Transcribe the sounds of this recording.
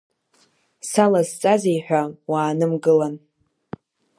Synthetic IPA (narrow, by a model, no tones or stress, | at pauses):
salazt͡sʼazejħᶣʷawaːnɨmɡɨlan